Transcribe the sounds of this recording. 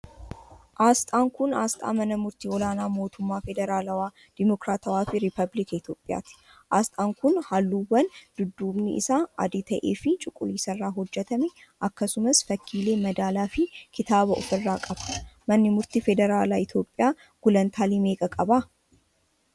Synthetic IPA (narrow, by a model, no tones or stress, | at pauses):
ʔaːst̪ʼaːŋkʊnaːst̪ʼa̰ːmɐnɐmʊɾt̪iːɔlaːnaːmo̞ːt̪ʊmːaːfɛd̪ɛɾaːlɐwaː | d̪̥ɪmɔkɾaːt̪ɐwaːfɪɾɪpɐblɪkɐɪt̪jo̞ːpʼɪja̰ːt̪ɪ̥ | ʔaːst̪ʼaːŋkʊnhɐlːuːwɐnd̪̥ʊd̪ːuːbnɪʔɪ̰saːʔɐ̰d̪ɪt̪ɐʔḛːfɪt͡ʃʼʊkʼːʊliːsɐrːaːɦɔd͡ʒːɛt̪ɐmɛ | ʔɐkːɐsʊmɐsfɐkʰːiːle̞ːmɐd̪aːlaːfɪkʰɪt̪aːbɐʔɔfɪrːaːkʼɐbɐmɐnːɪmʊɾt̪ifɛd̪ɛɾaːlaːɪt̪jo̞ːpʼːɪjaː | ɡ̥ʊlɐnt̪ʰaːlime̞ːkʼɐkʼɐbaː